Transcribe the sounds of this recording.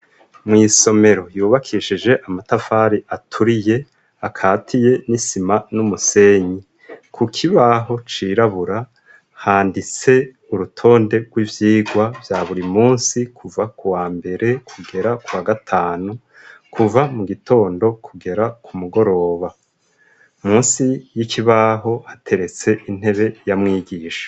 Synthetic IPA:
mŋiːso̞me̞ɾo̞juːβakʰiʃid͡ʒe̞ʔamatafaːɾiʔatʰuɾije̞ | akʰaːtʰije̞nisimanumuse̞ɲi | kʰukʰiβaɦo̞t͡ʃiːɾaβuɾa | haːndit͡se̞ | uɾutʰo̞ːnde̞ɡwiːvjiːɡwavjaːβuɾimuːnsikʰuvakuwaːmbe̞ɾe̞kʰuɡe̞ɾakuwaɡatʰaːnu | kʰuvamuɡitʰo̞ːndo̞kʰuɡe̞ɾakʰumuɡo̞ɾo̞ːβa | muːnsijikʰiβaɦo̞hatʰe̞ɾe̞t͡se̞ʔin̥he̞βe̞jamŋiːɡiːʃḁ

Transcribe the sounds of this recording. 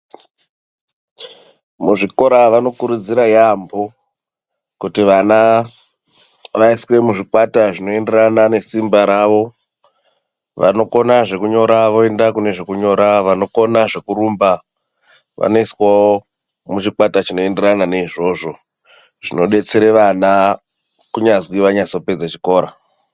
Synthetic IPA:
muʐiko̞ɾaʋano̞kuɾud͡ziɾajambo̞ | kutiʋana | ʋaiswe̞muʐikwataʐino̞e̞nderanane̞simbaɾaʋo̞ | ʋa̰no̞ko̞naʐe̞kuɲo̞ɾaʋo̞e̞ndakune̞ʐe̞kuɲo̞ɾaʋano̞ko̞naʐe̞kuɾumba | ʋa̰noiswao | mut͡ʃikwatat͡ʃino̞e̞nderanane̞iʐo̞ʐo̞ | ʐ̥ino̞ɗe̞t͡seɾeʋana | kuɲazwiʋaɲaso̞pe̞d͡zat͡ʃiko̞ːɾa

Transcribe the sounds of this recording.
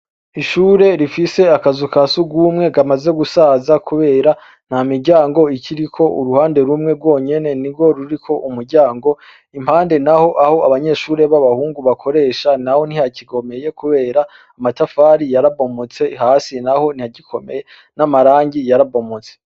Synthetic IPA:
iʃuːɾe̞ɾifise̞akazukasuɡuːmŋe̞ɡamaze̞ɡusaːzakʰuβe̞ːɾa | n̥amiɾɟaːŋɡo̞icʰiɾikʰo̞ṵɾuhaːnde̞ɾumŋe̞ɾɡwo̞ːɲe̞ne̞niɾɡo̞ɾuɾikʰo̞ʔumuɾɟaːŋɡo̞ | imhaːnde̞naho̞ʔaho̞aβaɲe̞ʃuːɾe̞βaβahuːŋɡuβakʰo̞ɾe̞ːʃanaho̞n̥hihaciɡo̞me̞je̞kuβe̞ːɾaː | matafaːɾijaɾabo̞mot͡se̞ɦaːsinaho̞n̥ijaɟikʰo̞meje | namaɾaːɲɟijaɾabo̞mot͡se̥

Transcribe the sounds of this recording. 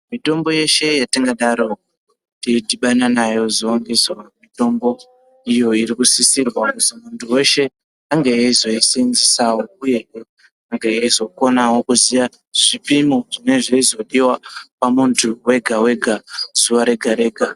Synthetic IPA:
mito̞mbo̞je̞ʃe̞jatiŋɡaɗaɾo̞ | tidʱiɓananajo̞zoːŋɡiswamito̞mbo̞ | ijo̞iɾikusisirwakutimuntʰuwe̞ʃe̞ | aŋɡeeizo̞isinzisawo̞uje̞ | aŋɡeeizo̞ko̞nawo̞kuzija | ʐ̥ipimoʐine̞ʐeizo̞ɗiwapamuntʰuwe̞ɡʱawe̞ɡʱazuʋaɾe̞ɡʱaɾe̞ːɡʱa

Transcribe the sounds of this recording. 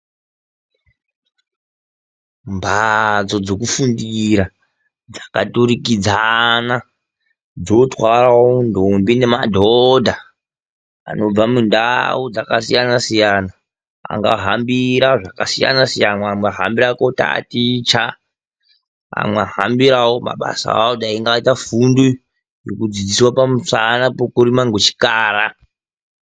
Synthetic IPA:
mbat͡so̞d͡zo̞kufundiɾa | d͡zḁkatuɾikid͡zana | d͡zotwarawondʱombine̞madʱodʱa | a̰no̞b͡vamundaud͡zakasijanasijana | a̰ŋɡa̰ɦambiɾaʐakasija̰nasijanamweɦa̰mbiɾako̞ta̰tit͡ʃa | a̰mweaɦambiɾawoma̰ɓa̰sa̰awodaiŋɡaitafundu | jokud͡zid͡ziswapamusanapokuɾimaŋɡot͡ʃi̥kaːra

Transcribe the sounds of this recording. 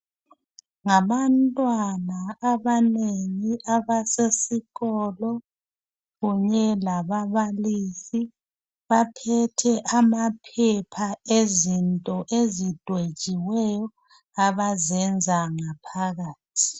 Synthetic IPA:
ŋaβantʼwanaaβaneŋiʔaβasesiɣɔlɔ | ɣuɲɛlaβaβalisi | βapʰɛtʰɛʔamapʰɛpʰaezintʼɔʔezid̥ʱwe̥t͡ʃʼiwɛjɔ | aβazɛnd͡zʱaŋapʰaɣaːtʰi̥

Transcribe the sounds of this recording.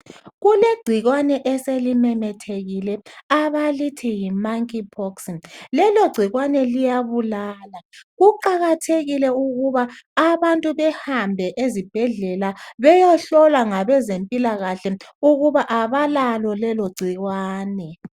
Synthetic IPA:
ɣuleɡ͡ǀʱiɣwanɛʔɛselimɛmɛtʰeɣilɛaβalitʰɛjimaŋkʼipʰɔkslɛloɡ͡ǀʱiɣwanɛlijaβulaːlaɣuǃaɣatʰeɣilɛuɣuβaːβantʼuβɛhambʱɛʔezib̥ʱɛɮɛlaβɛjaɬɔlwaŋaβɛzempʼilaɣaɬɛuɣuβaʔaβalalɔlɛloɡ͡ǀʱiɣwaːnɛ

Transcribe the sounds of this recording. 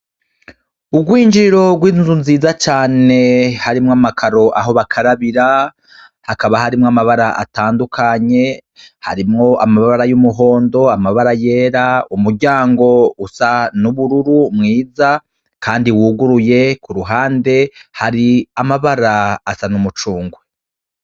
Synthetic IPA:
ubɡwiːnd͡ʒiɾo̞ɡwiːnzunziːzat͡ʃaːnehaɾimŋamakʰaɾo̞ʔa̰ɦo̞βakʰaɾaβiɾa | hakaβahaɾimŋamaβaɾaʔa̰taːndukʰaɲe̞ | ha̰ɾimŋo̞ʔamaβaβaɾajumuɦo̞ːndo̞amaβaɾaje̞ːɾaumuɾɟaːŋɡo̞usanuβuɾuɾumŋiːza | kaːndiwuːɡuɾuje̞kuɾuɦaːnde̞haɾiamaβaɾaːsanumut͡ʃuːŋɡwe

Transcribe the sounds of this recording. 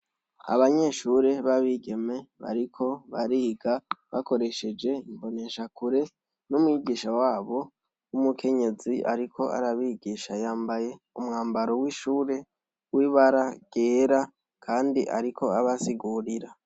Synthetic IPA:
a̰βaɲe̞ʃuɾe̞βaβiɡe̞me̞βa̰ɾikʰo̞βa̰ɾiːɡaβako̞ɾe̞ʃe̞d͡ʒe̞imbo̞ne̞ʃakuɾe̞ | numwiːɡiːʃawaːβo̞ | umukʰe̞ɲe̞ziʔa̰ɾikʰo̞a̰ɾaβiːɡiʃajaːmbaje̞ | umŋaːmbaɾo̞wiːʃuːɾe̞ | wiːβaɾaɡ̥eːɾa | kʰaːndiʔa̰ɾikʰo̞aβasiɡuːɾiɾa

